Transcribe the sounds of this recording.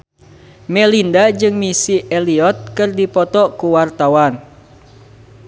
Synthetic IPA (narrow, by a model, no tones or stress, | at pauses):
mɛlindad͡ʒɨŋmisiɛliɔt̪̚kɨrdipɔt̪ɔkuwart̪awan